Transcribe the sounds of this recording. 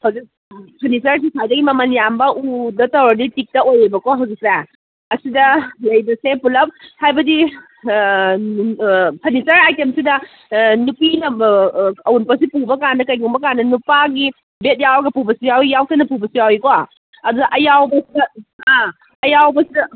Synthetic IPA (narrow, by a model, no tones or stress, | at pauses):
hɐwzik̚ | pʰɐnisɐɾs̬isʰajdɐɡimɐmɐnjambɐʔudɐtɐwɾɐditik̚tɐojibɐkɔɦɐwzik̚se | ɐsidɐlɐjbɐsepulɐp̚hajbɐdi | pʰɐnisɐɾajtemsidɐ | nupinɐ | ɐwunpɐsipubɐkandɐkɐjɡuŋbɐkandɐnupaɡi | bet̚jawɐɡɐpubɐsijawijawsʰanɐpubɐsijawikɔa | ɐdudɐʔɐjawbɐsidɐaː | jawbɐsidɐ